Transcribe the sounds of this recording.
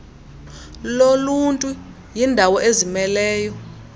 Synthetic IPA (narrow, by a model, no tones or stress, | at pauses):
loluntʼu | jindʱawɔʔezimɛlɛːjɔ